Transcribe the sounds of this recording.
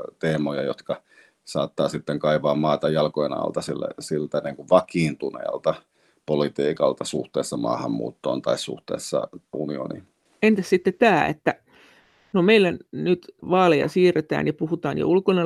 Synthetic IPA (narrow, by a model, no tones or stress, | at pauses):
t̪eːmojɑjot̪kɑ | sɑːt̪ːɑːsit̪ːeŋkɑiʋɑːmmɑːt̪ɑjɑlkojenɑ̰lt̪ɑsilːæ̰silt̪æniŋkuʋʋɑkiːnt̪unḛːlt̪ɑ | polit̪iːkɑlt̪ɑsuht̪eːsːɑmɑ̰ːhɑmːṵːt̪ːo̰ːnt̪ɑissṵht̪ḛˑːsːɑ̰unio̰nḭ | ent̪issit̪ːet̪æːḛt̪ːæ | nomeilːænyt̪ʋɑːlejɑ̰siːret̪æ̰ːnjɑpuhut̪ɑːnjo̰ulkone